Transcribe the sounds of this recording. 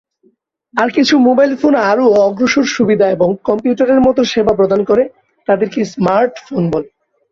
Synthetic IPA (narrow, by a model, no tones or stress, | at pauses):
aɾkit͡ɕʰumobajlfonaɾoɔɡɾoʃoɾʃubid̪ʱaeboŋkɔmpjuʈaɾeɾmɔt̪oʃebap̬ɾod̪ʱankoɾe | t̪ad̪eɾkesmaɾʈfonbole